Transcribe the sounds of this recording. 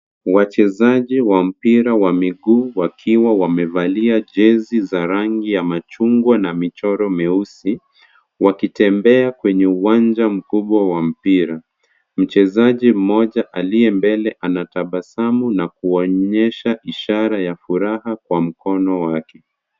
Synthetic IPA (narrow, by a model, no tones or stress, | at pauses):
wat͡ʃɛzaʄiwam̩piɾawamiɠuːwakʰiwawamɛvaliaʄɛzizaɾaŋɡijamat͡ʃuŋɡwanamit͡ʃɔɾɔmɛusi | wakitɛmbɛakwɛɲɛuwand͡ʒam̩kuɓwawam̩piɾa | m̩t͡ʃɛzaʄim̩mɔʄaʔalijɛmbɛlɛʔanataɓasamunakuɔɲɛʃaʔiʃaɾajafuɾahakwam̩kɔnɔwakɛ